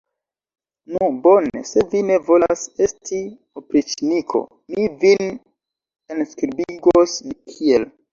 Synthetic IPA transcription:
nubo̞ne̞̰se̞vine̞vo̞lase̞sti | opɾit͡ʃinikʰo̞̰ | mivin | enskɾibiɡoskʰiel

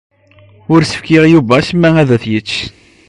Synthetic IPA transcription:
ʊɾsə̥fkɪʁjuvæsəmːææðæθjət͡sː

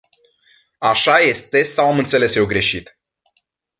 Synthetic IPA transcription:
aʃaje̞st̪e̞sawamɨnt̪se̞le̞sje̞wɡɾe̞ʃit̪

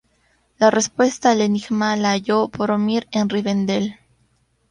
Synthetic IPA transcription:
lare̞spwe̞st̪aːleniɣmalaːʝo̞poɾomiɾenriβend̪el

